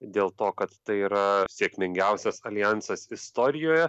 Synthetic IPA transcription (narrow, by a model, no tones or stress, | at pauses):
d̪ʲeːlˠt̪oːkɐt̪t̪ɐɪiːɾɐsʲeːkmʲɪŋʲɡʲɛˑʊsʲɛsɐlʲɪjænsɐsɪst̪oːɾʲɪjoːjɛ